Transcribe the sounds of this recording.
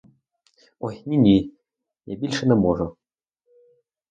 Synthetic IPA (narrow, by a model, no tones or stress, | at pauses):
oxnʲinʲi | nebʲilʲʃɘ̆nɘ̆moʐɤ̆